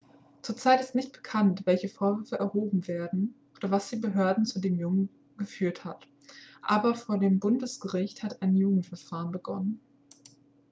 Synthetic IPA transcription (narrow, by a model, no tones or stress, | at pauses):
t͡suːɐt͡saɪtɪstnɪçt̚b̥ə̥kʰantv̥ɛlçəfoːɐvʏɐfəʔɛɐhoːbm̩veːɐdn̩ʔoːdɐvasd̥iːbəɦøːɐdn̩t͡sudeːmjʊŋən | ɡ̥əfyːɐthat | ʔaːbɐfoːɐdeːmbʊndəsɡ̥əʁɪçthataɪnjuːɡŋ̩tfɛɐfaːʁənbəɡɔ̰nən